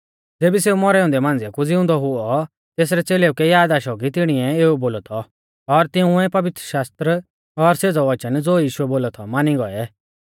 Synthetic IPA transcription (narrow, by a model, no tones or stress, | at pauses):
d͡zeːbiseːumɔɾɛʊ̃nd̪ɛmãːnd͡zɛkud͡zɪʊ̃nd̪ɔɦʊɔ | t̪eːs̬ɾɛt͡seːleːukɛjaːd̪aːʃɔɡit̪̬ɪɽ̃iɛeːuboːlɔt̪ʰɔ | ɔɾt̪ɪũɛpɐʋɪt̪ɾəʃaːst̪ɾə | ɔɾseːd͡zɔʋɐt͡ʃənd͡zoːjiːʃʊɛboːlɔt̪ʰɔmaːniɡɔɛ